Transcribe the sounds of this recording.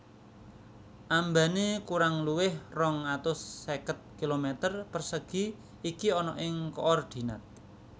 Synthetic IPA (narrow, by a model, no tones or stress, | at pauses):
ʔambanikuɾaŋluwɪhrɔŋat̪ʊsːekət̪̚kilomet̪ərpərsəɡ̥i̤ | ikiɔnɔʔɪŋkɔ̰ʔɔrd̪̥i̤na̰t̪̚